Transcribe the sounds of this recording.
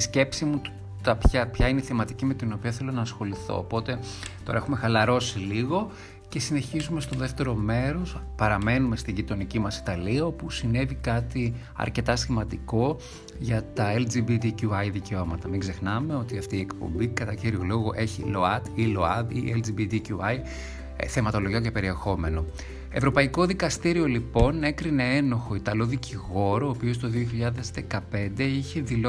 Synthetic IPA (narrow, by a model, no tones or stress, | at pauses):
t̪isce̞psimut̪ | t̪ɐpçɐpçɐineiθemɐt̪icime̞t̪ino̞piɐθe̞lo̞nɐːsxo̞liθo̞̰ːpo̞t̪e̞ | t̪o̞ɾɐexume̞xɐlɐɾo̞siliɣo̞ | ce̞sine̞çizume̞st̪o̞ðeft̪e̞ɾo̞me̞ɾo̞spɐɾɐme̞nume̞st̪iʝit̪o̞nicimɐsi̥t̪ɐliɐo̞pusine̞vikɐt̪i | ɐ̰ɾce̞t̪ɐsimɐnd̪iko̞ | ʝɐt̪ɐeld͡ʒibit̪icuɐjðice̞o̞mɐt̪ɐmiɡze̞xnɐme̞o̞t̪iɐft̪iːekpo̞̰mbikɐt̪ɐciɾiolo̞ɣoʔe̞çḭlo̞ɐt̪ilo̞ɐðiʔeld͡ʒibit̪icuɐj | θemɐt̪o̞lo̞ʝoɲcepe̞ɾie̞xo̞me̞no̞ | e̞vɾo̞pɐiko̞ðikɐst̪iɾio̞lipo̞ne̞kɾine̞e̞no̞xo̞it̪ɐlo̞ðiciɣo̞ɾoːpio̞st̪o̞ðioçiʎɐðe̞zðe̞kɐpe̞nd̪e̞içe̞ðilo